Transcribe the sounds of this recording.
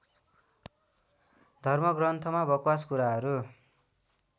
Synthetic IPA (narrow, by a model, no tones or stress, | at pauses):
d̪ʱʌrmʌɡrʌnt̪ʰʌmabʌkwaskuɾaɦʌɾu